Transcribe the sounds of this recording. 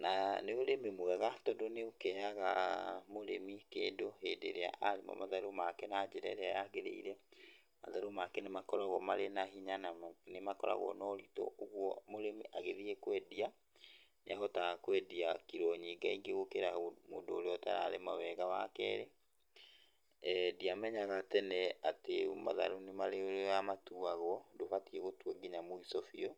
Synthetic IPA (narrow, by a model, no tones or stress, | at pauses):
naneoɾemimoɛɣatɔdoneokɛaɣa̰moɾemikeːndohendeɾea̰ʔaɾemɔ̰maðaɾomakɛnad͡ʒeɾɛ̰ɾeajaɣeɾḛḭɾɛ | ma̰ðaɾomakɛnemakɔɾaɣɔmaɾenaɦiɲananemakɔɾa̰ɣɔ̰nɔɾitɔ̰ʔoɣwɔmoɾemiʔaɣeðiekwɛdia | neaɣɔtaɣakwɛdiakiɾɔɲiːɡaiŋɡeɣokeɾamo̰ːndoːɾeɔta̰ɾa̰ɾemawɛɣama̰kɛ̰ːɾe | diamɛɲaɣatɛnɛatema̰ða̰ɾonemaɾeoɾjamatuaɣwɔdofatieɣotwɔɡiɲamoisɔfiɔ